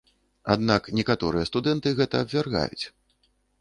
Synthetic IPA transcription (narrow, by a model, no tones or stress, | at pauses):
a̰d̪naknʲɛkat̪ɔɾɨjɐst̪ud̪ɛnt̪ɨɣɛt̪ɐːbvʲarɣa̰jṵt͡sʲ